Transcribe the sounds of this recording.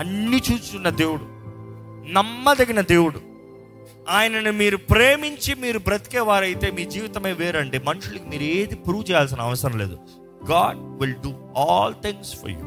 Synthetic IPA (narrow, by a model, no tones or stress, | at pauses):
ɐnːit͡ʃuːt͡ʃukunːɐd̪e̞ːwuɽu | nɐmːɐd̪ɐɡinɐd̪e̞ːwuɽṵ | aːjɐnɐnumiːɾupɾeːmiɲt͡ʃimiːɾubɾɐt̪i̥kɛːʋaːɾɐjit̪e̞ːmiːd͡ʒiːʋit̪ɐmeːʋeːɾɐɳɖeːmɐnuʂulɐkimiːɾeːd̪ipɾuːʋt͡ʃɛːjaːls̬inɐʋɐsɐɾɐmleːd̪u | ɡaːɖʋilɖuɔːlt̪iŋɡsfʰɔ̰ɾjṵ